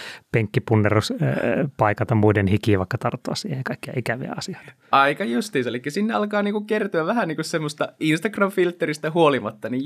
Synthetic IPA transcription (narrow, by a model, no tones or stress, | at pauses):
peŋkːipunːeruspɑikɑlt̪ɑmuidenhikiːʋɑˑikːɑt̪ɑrt̪ːuɑssḭːhekɑikːijɑ̰ikæʋḭæ̰ɑsiɑ̥il̥ | ʔɑikɑjust̪iːselikːæsinːeɑlkɑːniːŋkukert̪uæʋʋæhæniːŋkussemːost̪ɑinst̪ɑkrɑmfilt̪ːerist̪æhuolimɑt̪ːɑni